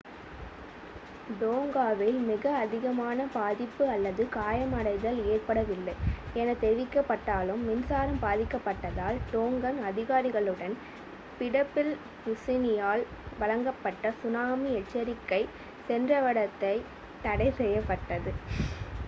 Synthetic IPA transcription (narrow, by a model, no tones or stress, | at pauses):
ɖoːŋɡaːʋɪlmɪɣɐːðɪɣɐmaːnɐbaːðɪpːɯɐlːɐðɯkaːjɐmɐɽɐɪðɐleːrpɐɽɐʋɪlːɐɪɛnɐt̪ɛɾɪʋɪkːɐpːɐʈːaːlɯmːɪnsaːɾɐmbaːðɪkːɐpːɐʈːɐðaːlɖ̪oːŋɡɐnɐðɪɣaːɾɪɣɐɭɯɽɐn | pɪɽɐpːɪl | ʊsɪnɪjaːlʋɐlɐŋɡɐpːɐʈːɐsʊnaːmiɛʈt͡ʃːɐɾɪkːɐɪ | sɛndrɐʋɐɽɐt̪ːɐɪ | t̪ɐɽɐɪsɛjːɐpːɐʈːɐðɯ